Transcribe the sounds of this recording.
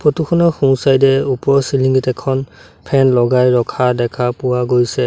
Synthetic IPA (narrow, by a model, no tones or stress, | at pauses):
pʰɔtukʰɔnɔxusajdɛupɔɹsiliŋɡitɛkʰɔn | pʰɛnlɔɡajɹɔkʰadɛkʰapʊwaɡojsɛ